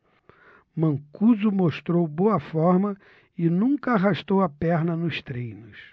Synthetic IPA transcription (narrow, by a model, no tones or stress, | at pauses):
mɐ̃kuzʊmoʃt̪ɾowbowɐfɔɾmɐ | ɪnũkɐaɦaʃt̪owɐpɛɾnɐnʊst̪ɾejnʊs